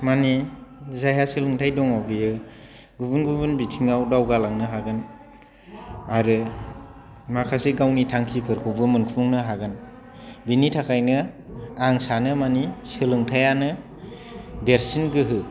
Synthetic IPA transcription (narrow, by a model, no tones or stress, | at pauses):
manizajasɯlɯŋtʰajdɔŋabijɯ | ɡubɯnɡubɯnbitʰiŋawdawɡalaŋnɯɦaɡɯn | aɾɯ | makʰasiɡawnitʰaŋkʰipʰɯɾkʰɔwbɯmɯnkʰuŋnɯɦaɡɯn | binitʰakʰajnɯaŋsanɯmanisɯlɯŋtʰajanɯ | deɾsinɡɯɦɯ